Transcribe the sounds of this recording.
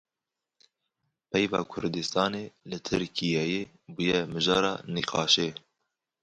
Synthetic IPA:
pʰɛjvɑːkʰʊɾd̪ɨst̪ɑːneːlɨt̪ʰɨɾkʰijɛje | bujɛmɨʒɑːɾɑ̰ːniqɑ̰ːʃeː

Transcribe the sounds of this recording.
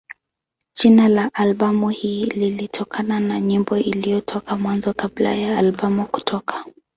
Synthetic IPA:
d͡ʒinalaʔalɓamuhiːlilitʰɔkʰananaɲimbɔʔilijɔtʰɔkamwanzɔkabla̰jaːlɓamuku̥tʰɔkʰḁ

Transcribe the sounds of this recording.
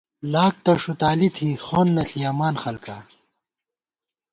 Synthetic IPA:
laːk̚t̪ɐʂut̪aːlit̪ʰixoːnːɐɬiaːmaːnxɐlka

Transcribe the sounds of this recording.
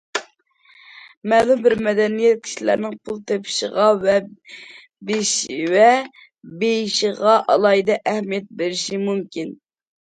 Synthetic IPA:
mɛlˠumbɪɾmɛd̪ɛnijɛt̪̚kʲʰi̥ʃilæ̰ɾnɪŋpʰulˠt̪ʰepʰɪ̥ʃə̰ʁɑvɛ | beʃiwɛ | bejiʃiʁɑʔɑlˠɑjd̪ɛʔæhmijɛt̪̚beɾɪʃimumkʲin

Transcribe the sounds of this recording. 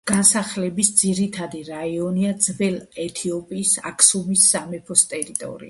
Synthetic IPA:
ɡ̥ansaχlɛbisd̪ziɾit̪ʰad̪iɾaiɔniad̪zvɛlɛt̪ʰiɔpʼiːsa̰kʰʼsumisːamɛpʰɔst̪ʼɛɾit̪ʼɔ̰ɾḭa

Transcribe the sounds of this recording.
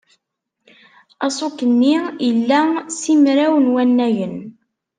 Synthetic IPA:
ɑsˤukːənːijəlːæsimɾæwənwænːæjən

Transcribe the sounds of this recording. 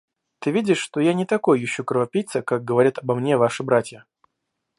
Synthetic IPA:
t̪ɨvʲidʲɪʂːt̪ojanʲɪt̪ɐko̞jjɪɕːukɾəvɐpʲijt̪səkak̚ɡəvɐɾʲat̪ɐbɐmnʲevaʂɨbɾatʲjə

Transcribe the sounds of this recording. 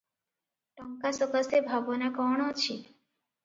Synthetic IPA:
ʈɔŋkasɔkəsebʱabɔnakɔɳ̃ot͡ʃʰi

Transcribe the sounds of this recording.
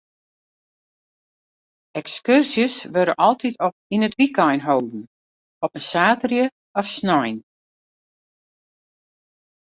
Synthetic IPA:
ɛkskørsjəsʋøɾə̰ʔɔlˠtʰitʰɔinətʋikɔjnɦowdn̩ | ɔpənsaːtərjə | ɔfsnɔjn

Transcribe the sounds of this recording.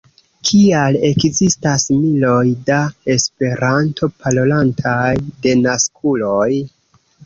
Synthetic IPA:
kʰiale̞kzistasmilo̞jdae̞spe̞ɾantʰo̞pʰalolantʰajde̞naskulo̞j

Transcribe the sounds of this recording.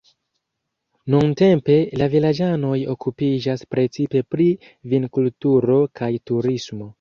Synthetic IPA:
nunte̞mpe̞lavilad͡ʒano̞jo̞kupid͡ʒaspɾe̞t͡sipe̞pɾi | vinkultuɾo̞kʰajtuɾismo̞

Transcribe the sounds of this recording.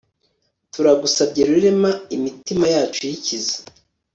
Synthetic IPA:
tuɾaɡusabɟeɾuɾemaimitimajaːt͡ʃojicize̥

